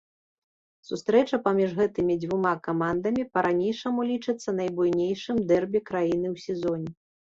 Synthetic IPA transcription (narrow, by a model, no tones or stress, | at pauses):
sust̪ɾɛt͡ʂɐpamʲiʐɣɛt̪ɨmʲid͡z̪ʲvumakamand̪ɐmʲipɐɾʔanʲejʂɐmulʲit͡ʂɨt̪sːɐnɐjbujnʲejʂɨmd̪ɛrbʲɛkɾajin̪ɨwsʲɛzɔnʲɛ